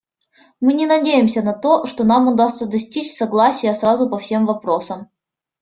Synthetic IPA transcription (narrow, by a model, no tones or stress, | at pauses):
mɨnʲɪnɐdʲejɪmsʲənɐt̪o̞ʂt̪onamʊd̪ast̪səd̪ɐsʲtʲit͡ɕsɐɡlˠasʲɪjəsɾazʊpɐfsʲe̞mvɐpɾosəm